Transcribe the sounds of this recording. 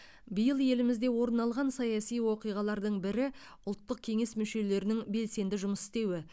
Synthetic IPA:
bijəlˠje̞lɪmɪzd̪e̞wo̞ɾənɑlˠʁɑnsɑjɑsijwo̞qijʁɑlˠɑɾd̪əɴbɪɾɪ | ʊlˠt̪ːəq̚kʲʰe̞ŋe̞smʏʃe̞le̞ɾɪnɪŋbe̞lse̞nd̪ɪʒʊməsɪ̥st̪e̞wɪ

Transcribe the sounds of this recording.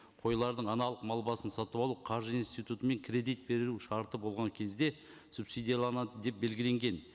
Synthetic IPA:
qʰo̞jlˠɑɾd̪əɴɑnɑlˠəqmɑlˠbɑsənsɑt̪əβɑlˠuqʰɑɾʒəinst̪ijt̪ut̪əme̞ŋkʲʰɾʲe̞d̪ijt̪̚be̞ɾɪɾuʃɑɾt̪əbo̞lˠʁɑŋkʲʰe̞zd̪e̞ | supsijd̪ijalˠɑnɑd̪əd̪e̞p̚be̞lɡʲɪle̞ŋɡʲe̞n

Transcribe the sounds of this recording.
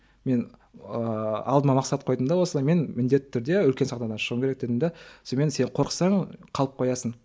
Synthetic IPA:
me̞nəɑlˠd̪əmɑmɑqsɑt̪qʰo̞jd̪əmd̪ɑwosəlˠɑjme̞nmɪnd̪et̪ːɪ̥t̪ʰʏɾd̪e̞ʏlkʲe̞nsɑqt̪ɑd̪ɑnʃəʁəmŋʲʰeɾek̚d̪ed̪ɪmd̪esome̞nse̞ɴqʰo̞ɾqəsɑɴqʰɑlˠəp̚qʰo̞jɑsən

